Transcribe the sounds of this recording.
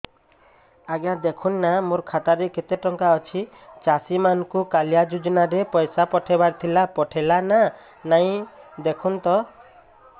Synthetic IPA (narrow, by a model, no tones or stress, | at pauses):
aɡjad̪ekʰunːamuɾkʰat̪aɾeket̪eʈɔŋkaɔt͡ʃʰi | t͡ʃasimanɔkukaljad͡ʒud͡ʒɔnaɾepɔjsapɔʈʰebaɾt̪ʰilapɔʈʰelana | naĩd̪ekʰunt̪ɔ